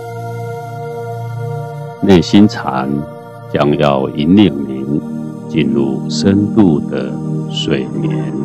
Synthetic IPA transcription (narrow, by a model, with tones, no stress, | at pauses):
ne˥˨˩ɕi˦nt͡sʰa̰˨˧˦n | t͡ɕja˧ŋja˥˧ʊi˨˦ni˥˩ŋmi˨˦ŋt͡ɕi˨˩nlu˨˩ʂə˦nt̪u˥˨˧d̪ə˨swe˨˩ɪmjɛ˨˦n